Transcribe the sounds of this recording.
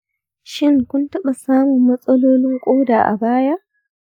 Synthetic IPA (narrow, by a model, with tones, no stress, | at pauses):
ʃɪ˦ŋkʷʊ˦ntɐ˦ɓɐ˨saː˦mʊ˨mːɐ˦sʼɐ˦loː˦nɪ˦ŋkʷʼoː˦daː˨ʔa̰˨baː˦ja˦ʔ